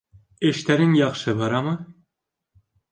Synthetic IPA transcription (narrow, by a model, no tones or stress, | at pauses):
ɘ̆ʃt̪æɾɘŋjɑχʃɤbɑɾɑmɤ